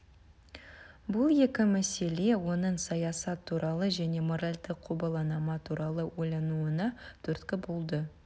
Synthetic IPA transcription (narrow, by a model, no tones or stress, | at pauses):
bʊlˠje̞kʲɪmæse̞le̞wo̞nəɴsɑjɑsɑt̪ʰːuɾʔɑlˠəʒæne̞moɾalʲd̪ɪqʰːubɑlˠɑnɑmɑt̪ʰuɾɑlˠəwo̞jlˠɑnuənɑt̪ʰɵɾt̪kʲɪbolˠd̪ə